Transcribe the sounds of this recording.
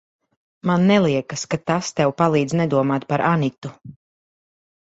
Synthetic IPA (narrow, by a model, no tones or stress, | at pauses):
manːɛlˠiɛkaskat̪ast̪ɛwpalˠiːd̪znɛd̪uɔmaːt̪paɾʔanit̪u